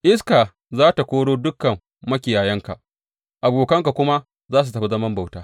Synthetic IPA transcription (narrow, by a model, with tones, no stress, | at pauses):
ʔɪ˦s̬kaː˨ | zaː˦ta˨kʷoː˦ɽoː˦dʊ˦kːɐ˨mː | ɐ˦kʲɪ˨jaː˨jɐ˦ŋka˨ | ʔa˨boː˨kɐ˦ŋka˨kʷʊ˦ma˦ | zaː˦su˨tɐ˨ɸa˦˨zɐ˦mɐ˦mba˨wtaː˦